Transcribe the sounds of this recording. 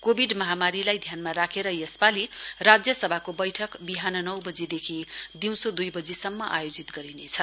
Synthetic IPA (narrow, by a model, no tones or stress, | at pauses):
kobʱiɖmʌɦamaɾilajd̪ʱjanmaɾakʰeɾʌjespalirad͡zjʌsʌbʱakobʌjʈʰʌkbiɦanʌnʌwbʌd͡zid̪ekʰid̪iw̃sod̪ujbʌd͡zisʌmːʌʔajod͡zit̪ɡʌɾinet͡sʰʌ